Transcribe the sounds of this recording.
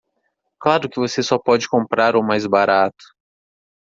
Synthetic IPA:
klaɾʊkɪvosesɔpɔd͡ʒɪkõmpɾaɾʊmajzbaɾat̪ʊ̥

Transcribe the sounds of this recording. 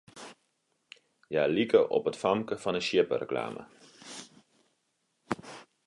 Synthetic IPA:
jaːlikəʔɔ̰pətfɑmkəfɑnəʃɪpə̰rə̰kla̰ːmʔə̰

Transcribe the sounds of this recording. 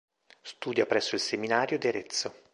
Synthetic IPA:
st̪uːd̪japɾɛsːoilseminaːɾjod̪ieɾet̪sːo

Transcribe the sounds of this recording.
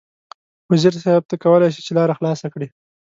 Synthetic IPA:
waziɾsab̚t̪akawəlajʃ̬it͡ʃelɑɾaxlɑsakɽi

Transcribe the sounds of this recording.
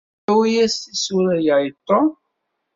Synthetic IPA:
wijæsisuɾæjajt̪ˤːo

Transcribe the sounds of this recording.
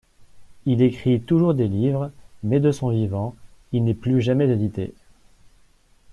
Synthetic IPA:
ilekχit̪uʒuʁd̪elivʁmɛd̪əsɔ̃vivɑ̃ilnɛplyʒamɛd̪ed̪it̪ḛ

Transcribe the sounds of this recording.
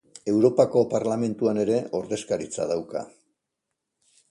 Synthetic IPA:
e̞wɾo̞pako̞paɾlame̞nt̪uane̞ɾe̞ʔo̞ɾðe̞skaɾit͡sa̰ð̞awka̰

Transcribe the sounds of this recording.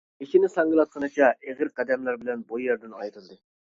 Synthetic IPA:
ekʲinɪsɑŋɡəlˠɑt̪̚qʰənɨt͡ʃʰɑʔeʁəɾqʰɛd̪ɛmlæɾbɪlɛnbujɛɾd̪ɪnɑjɾɨlˠd̪ɨ

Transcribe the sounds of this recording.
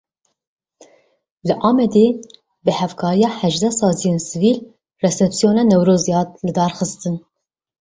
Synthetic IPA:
lɨʔɑːmɛd̪e | bɨhɛvkʰɑːɾijɑːhɛʒd̪ɛsɑːzijensɨviːl | rɛsɛpsijoːnɑːnɛwɾoːzijɑːt̪̚lɨd̪ɑːɾxɨst̪ɨn

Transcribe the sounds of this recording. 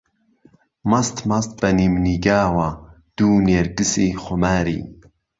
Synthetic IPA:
mɐst̪mɐst̪̚bɐnimniɡaːwa | d̪̥uːneɾkɨsixʊmaːɾḭː

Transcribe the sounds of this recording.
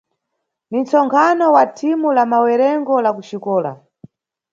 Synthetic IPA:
nint͡sɔŋkʰanɔwatʰimulamawɛɾɛŋɡɔlakuʃikɔːla̰

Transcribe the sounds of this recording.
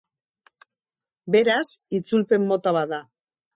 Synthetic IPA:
be̞ɾasit͡sulpe̞mːo̞t̪aβaða

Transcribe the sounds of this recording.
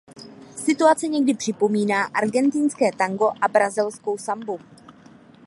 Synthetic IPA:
sɪt̪uat͡sɛɲɛɡdɪpr̝̥ɪpo̞miːnaːʔaɾɡɛnt̪ɪnskɛːt̪aŋɡo̞ʔabɾazɛlsko̞wsambu

